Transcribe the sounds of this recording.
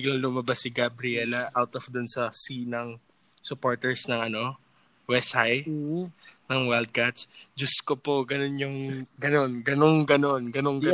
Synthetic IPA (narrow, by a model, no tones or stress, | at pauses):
ɪɡlalːʊmɐbasːɪɡabɾɪɛlɐʔawt̪ɔfd̪ʊnsɐsinɐŋ | sʊpo̞ɹt̪ɛɹsnɐŋɐno̞ | wɛshaj | nɐŋwɛld̪̚kat̪sd͡ʒɐskopoɡɐno̞njʊŋɡɐno̞nɡɐnoŋɡɐno̞nɡɐnoŋɡɐ